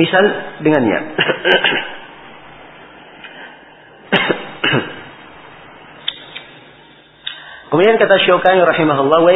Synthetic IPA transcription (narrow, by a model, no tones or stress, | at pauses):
isaldəŋanɲa̰ | kəmudiankat̪aʃokaiɾɑħimaɦulːawa